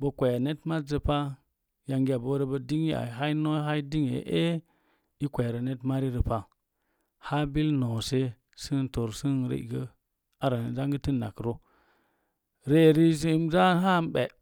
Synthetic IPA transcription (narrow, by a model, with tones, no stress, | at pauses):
bə˨kʷe˨ja˨ne˦tma˦tzə˨pa˦ | ja˨ŋɡi˦a˨bo˦ɾe˦bə˦di˦ŋi˦a̰˨ɦa˦i˦no˦ɦa˦i˦di˦ŋḛ˨ʔe˦ | i˦kʷe˨ɾə˨ne˦tma˦ɾi˦ɾə˨pa˨ | ha˦bi˦lno˨se˦ | sɨ˦n˨to˨ɾsi˦nɾḛ˦ḭ˨ɡə˦ | a˨ɾa˨n˨za˦ŋɡə˦ti˦nːa̰˨kɾo˦ | ɾe˦˨ɾi˦s̬e˦mza˦ɦa˦m˦be˨